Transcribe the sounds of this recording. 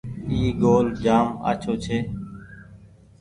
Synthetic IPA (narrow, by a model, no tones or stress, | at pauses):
iːɡoːld͡ʒaːma̰ːt͡ʃʰoːt͡ʃʰeː